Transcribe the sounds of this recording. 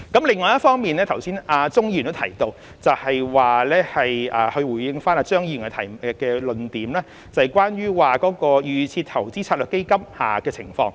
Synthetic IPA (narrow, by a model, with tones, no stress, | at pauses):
kɐ˨˥mlɪ˨˩ŋːɔː˨jɐ˥t̚fɔː˥ŋmiː˨nlɛː˥t̪ʰɐ˨˩wsiː˥naː˧t͡sʊ˥ŋjiː˥˨nt̪o˥wt̪ʰɐ˨˩jt̪o˧w | t͡sɐ˨whɐ˨jwaː˨lɛː˥hɐ˨jʔɐː˨˩hɵ˧ɥwuː˨˩jjɪ˧ŋfaː˥naː˧t͡ʃœː˥ŋji˧˨˩nkɛ˧t̪ʰɐ˨˩jm˧kɛː˧lɵ˧nt̪iː˨˥mlɛː˥ | t͡sɐ˨jkʷaː˥nɥyː˥waː˨kɔː˨˥kɔː˧jyː˨t͡sʰiː˧t̚t̪ʰɐ˨˩wt͡siː˥t͡sʰa˧lœː˨˩ke˥kɐ˥mha̰ː˨˩kɛː˧t͡sʰɪ˨˩ŋfɔ̰ː˧ŋ